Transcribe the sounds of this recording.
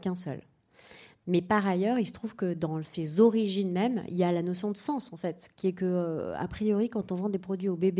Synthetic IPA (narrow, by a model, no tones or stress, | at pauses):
kɛ̃sœ̰l | mɛpaʁajœʁilsə̥t̪χuvkəd̪ɑ̃sezɔʁiʒinmɛmḭljalanɔsjɔ̃d̪əsɑ̃sɑ̃fɛt̪kʲiɛkəøa̰pχijɔʁikɑ̃t̪ɔ̃vɑ̃d̪epχɔd̪ɥiobebe